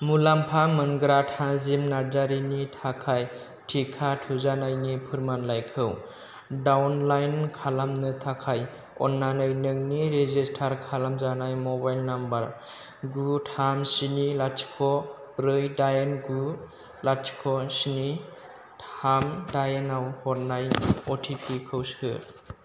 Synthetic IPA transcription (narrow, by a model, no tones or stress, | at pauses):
mulampʰamɯnɡɾatʰãzimnaɾdaɾinitʰakʰaj | tʰikʰatʰuzanajnipʰɯɾmanlajkʰɯw | dawnlajnkʰalamnɯtʰakʰaj | ɔnːanajnɯk̚niɾezistʰaɾkʰalamzanajmɔbajlnambaɾ | ɡutʰamsinilat͡ʃkʰɔ | pɾɯjdajenɡu | lat͡ʃkʰɔsini | tʰamdajenawhɔɾnajɔtʰipʰikʰɯwsɯ̰